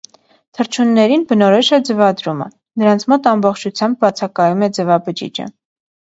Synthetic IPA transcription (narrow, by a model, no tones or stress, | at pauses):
t̪ʰəɾt͡ʃʰunːɛɾinbənɔɾɔʃəd͡zɛvɑd̪ɾumə̰ | nəɾɑnt͡sʰmɔt̪ɑmbɔχt͡ʃʰut͡sʰjɑmb̚bɑt͡sʰɑkɑjumɛd͡zɛvɑbəd͡ʒḭd͡ʒə̰